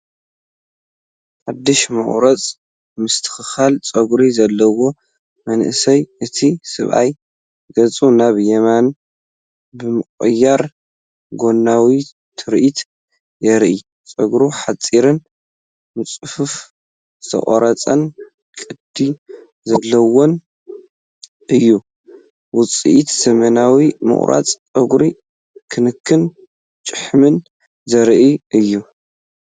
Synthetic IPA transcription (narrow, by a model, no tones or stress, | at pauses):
ħad̪ːɨʃmɐ̰χʼɾɐt͡sʼ | mɨst̪ʰɨ̥xɨxalt͡sʼɐɡɾizɐlːɐwo̞ | mɐnʔɨsɐjɨt̪ʰisɨ̰βʔa̰j | ɡ̥ɐt͡sʼunaβjɛman | bɨmɨkʼɨjːaɾ | ɡo̞nːawi | t̪ʰɨɾʔit̪ʰ | jɛɾʔi | t͡sʼɐɡɾuħat͡sʼiɾɨn | mɨt͡sʼɨfuf | sʰɐ̰χʼo̰ɾɐt͡sʼɐn | kʼɨd̪̥i | zɐlːɐwo̞n | ɨjːu | wʊt͡sʼḭʔit̪z̥ɐmɐnawimɨ̰χʼɾʔa̰t͡sʼt͡sʼɐɡɾi | kʰɨnɨkʰːɨn | t͡ʃʼɨħmɨn | zɐɾʔiʔɨjːu